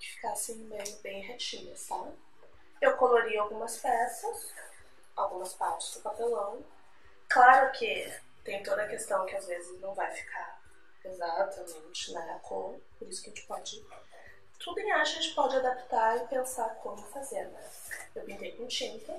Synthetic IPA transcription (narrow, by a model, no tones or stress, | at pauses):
kɪ̥fi̥kasẽmẽj̃bẽj̃ɦet͡ʃĩnɐst̪a | ewkoloɾiawɡũmɐspɛsɐs | awɡũmɐspaɾt͡ʃɪ̥zd̪ʊpapelɐ̃w̃ | klaɾʊkʰɪ | t̪ẽj̃t̪od̪ɐkest̪ɐ̃w̃kɪazvezɪznɐ̃w̃vajfi̥kʰaɾ | ezat̪ʰɐmẽnt͡ʃɪnɐɡakʰõpoɾisʊkɐʒẽt͡ʃɪ̥pɔd͡ʒɪ | t̪ʰud̪ʊẽj̃aɐʒẽnt͡ʃɪ̥pɔd͡ʒɪad̪apt̪aɾɪpẽsaɾkʰõmʊfazeɾn | ewpĩnt̪ejkõt͡ʃĩntɐ